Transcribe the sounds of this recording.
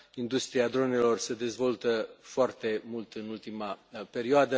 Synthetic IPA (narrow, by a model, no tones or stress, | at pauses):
ind̪ust̪ɾiad̪ɾo̞ne̞lo̞rsed̪e̞zvo̞lt̪əfoart̪e̞mult̪ɨnult̪imape̞ɾioad̪ə